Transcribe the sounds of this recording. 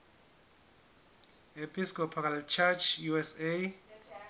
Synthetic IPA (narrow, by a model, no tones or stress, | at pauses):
epʰiskɔpʰaalt͡ʃʰat͡ʃʰjuɛse